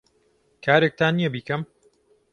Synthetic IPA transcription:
kʰaːɾek̚t̪aːnːijɛbiːkɐm

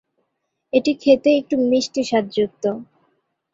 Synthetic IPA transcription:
eʈikʰet̪eek̚ʈumiʃʈiʃad̪ːd͡ʑuk̚t̪o

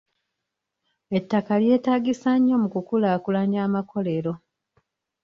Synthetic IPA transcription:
e̞tːakalje̞ːtaːɡisaɲːo̞mukukulaːkulaɲaːmakʰo̞le̞ɾo̞

